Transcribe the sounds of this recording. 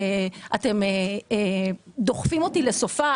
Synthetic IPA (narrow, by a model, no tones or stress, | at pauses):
eʔate̞me | d̪o̞χfimo̞tile̞so̞fa